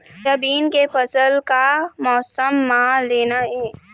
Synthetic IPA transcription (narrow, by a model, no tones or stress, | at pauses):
tɐbiːnkepɐsəlkamɔːsəmːãleːnaɦɛː